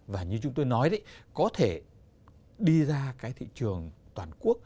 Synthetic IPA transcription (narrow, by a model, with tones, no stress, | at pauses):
vaː˨˩ɲɨ˧t͡ɕʊ˨˦ŋ͡mt̪o˧jnɔ˨˦jzi˧˦jkɔ˨˦t̪ʰe˧˩ | ɗi˧zaː˧kaː˨˦jt̪ʰḭ˧˨t͡ɕɨ˨˩əŋt̪waː˨˩nku˦˥ək̚